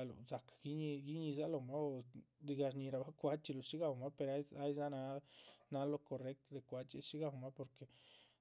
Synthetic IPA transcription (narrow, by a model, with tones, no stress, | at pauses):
a˧lo̰˨za˨kḁ˨ɡi˦ɲi˧ɡi˦ɲi˧za˦lo˨ma˦o˧d̪i˧ɡa˧ɾɲi˧ɾa˧ba˦kʷa˧t͡ʃi˧lo˨ʃi˦ɡa˨wma˦pe˧ɾa˦a˦jza˦na˧˦na˧lo˦ko˨re˦k̚t̪d̪e˨kʷa˧t͡ʃi˦ʃi˦ɡa˧˨wma˦po˨ɾke˨